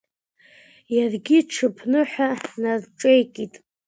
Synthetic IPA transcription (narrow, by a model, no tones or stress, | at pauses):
jarɡʲiʈ͡ʂʰɨpʰnɨħʷᶣanarʈ͡ʂʼejkʼitʼ